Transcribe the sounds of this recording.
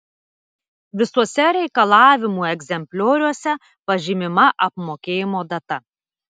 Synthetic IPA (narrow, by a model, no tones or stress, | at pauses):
ʋʲɪsuɔsʲɛɾʲɛɪkɐlˠɑːʋʲɪmuːɛɡʲzʲɛmʲpʲlʲoːɾʲuɔsʲɛ | pɐʒʲɪmʲɪmɐʔɐpmoːkʲeːjɪmoːd̪ɐt̪ɐ